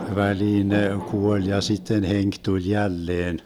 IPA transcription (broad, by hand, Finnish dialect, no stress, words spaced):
ʋæliːn ne kuolʲ jɑ sitːen heŋk tulʲ jælːeːn